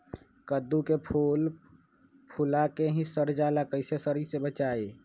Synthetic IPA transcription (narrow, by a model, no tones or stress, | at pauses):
kəd̪ukepʰul | pʰulakeɦĩsəɾd͡ʒalakəɪsesəɾisebət͡ʃae